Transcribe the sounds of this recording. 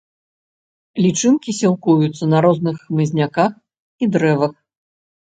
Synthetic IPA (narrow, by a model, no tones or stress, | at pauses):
lʲit͡ʂɨmkʲisʲɛlˠkujut̪sːɐnɐɾɔznɨxːmɨzʲnʲakax | id̪ɾɛvɐx